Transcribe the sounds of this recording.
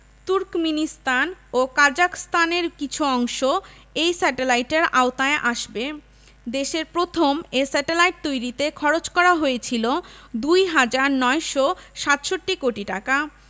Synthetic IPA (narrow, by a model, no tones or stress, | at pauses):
t̪uɾkminist̪anokaɾd͡ʑakst̪aneɾkit͡ɕʰuɔŋʃo | ejsɛʈelajʈeɾaot̪aeʔaʃbe | d̪eʃeɾpɾot̪ʰomesɛʈelajʈ̚t̪ojɾit̪ekʰɔɾot͡ɕkɔɾaɦoet͡ɕʰilod̪ujɦad͡ʑaɾnɔeʃɔʃat̪ʃoʈːikoʈiʈaka